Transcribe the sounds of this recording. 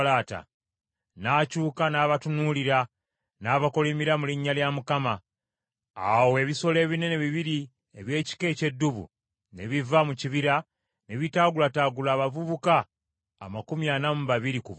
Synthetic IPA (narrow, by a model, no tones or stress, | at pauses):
laːta̰ | naːcuːkanaːβatunuliɾa | naːβakolemiɾamuliɲːaljamukama | awe̞ːβiso̞le̞ːβine̞ne̞βiβiɾi | eβje̞ːci̥ke̞ːce̞dːuβṵ | neβivamuciβiɾa | ne̞βitaːɡulataːɡulaːβavuβukaː | makumjanamuβaβiɾikuv